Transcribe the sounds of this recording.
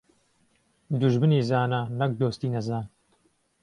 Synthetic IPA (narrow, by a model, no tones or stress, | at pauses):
d̪uʒbɨniːzaːnɐnɐk̚d̪oːst̪iːnɐzaːn